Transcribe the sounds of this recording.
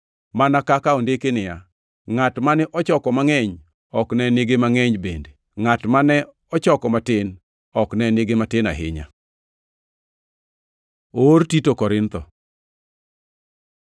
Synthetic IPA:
manakakaondekenɪja | ŋatmanɛʔɔt͡ʃɔkɔmaŋɛɲ | ɔknɛneɡemaŋɛɲbende | ŋatmanɛ | ɔt͡ʃɔkɔmatɪn | ɔknɛneɡematɪna̰ɦɪ̰ɲa̰ | oɾtitokɔɾɪnt̪ɔ

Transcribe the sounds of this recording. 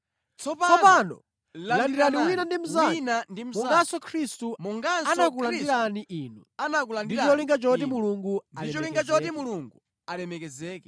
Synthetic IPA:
t͡sɔpɔpanɔ̰ | lalandiɾaniwinandim̩zanandim̩mɔŋɡasɔkʰɾistumɔŋɡaanak̬uladiɾaniʔiːnuanakulanddiɾt͡ʃɔliŋɡat͡ʃɔt̬imuluŋɡuaiɛt͡ʃɔliŋɡat͡ʃɔtimuluŋɡu | alɛmɛkɛzɛːkɛ

